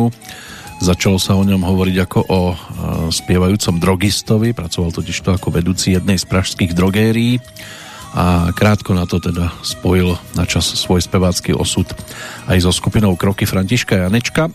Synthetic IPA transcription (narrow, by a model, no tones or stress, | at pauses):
u | zat͡ʃalɔsaɔɲɔmɦɔʋɔɾiɟakɔʔɔ | spɪɛʋajuːt͡sɔmd̪ɾɔɡist̪ɔʋipɾat͡sɔʋalt̪ɔciʃt̪ɔakɔʋɛd̪uːt͡sijɛd̪̚nɛjspɾaʃskiːɣd̪ɾɔɡɛːɾiː | akɾaːt̪kɔnat̪ɔt̪ɛd̪aspɔjilnat͡ʃasːʋɔjspɛʋaːt͡skḭːʔɔ̰sut̪ajzɔskupinɔʊkɾɔkifɾaɲciʃkajanɛt͡ʃka